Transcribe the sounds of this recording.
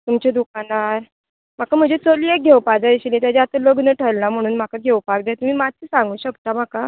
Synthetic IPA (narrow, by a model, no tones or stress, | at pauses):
t̪umt͡ɕed̪ukanaɾ | m̤akam̤əɳd͡zet͡soliek̚ɡʱewpad͡zaiɕlĩt̪jad͡ʑeat̪əloɡnəʈʰəɾlam̤əɽ̃uːnm̤akaɡʱewpak̚d̪jat̪um̤iːmad͡z̚t͡siːsãŋɡuːɕəkt̪am̤aka